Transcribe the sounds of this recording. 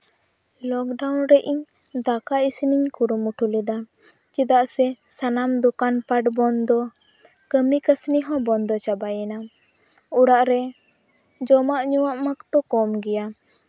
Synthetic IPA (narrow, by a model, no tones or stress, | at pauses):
lɔk̚ɖawnɾɛʔiɲ | d̪akaisiniɲkuɾumuʈʰulid̪a | t͡ʃid̪aʔsɛsanamd̪ukanpaʈbɔnd̪ɔ | kəmikəsniɦɔ̃bɔnd̪ɔt͡ʃabajɛna | uɽaʔɾɛ | d͡ʒɔmaʔɲuwaʔmakt̪ɔkɔmɡɛja